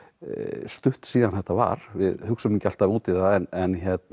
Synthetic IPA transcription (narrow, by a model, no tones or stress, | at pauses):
st̪ʏht̪siːðanθɛht̪ːava̰ɾ̥vɪðhʏksamiɲcɪal̥t̪avuːt̪iðaɛnɛnçjɛt̪n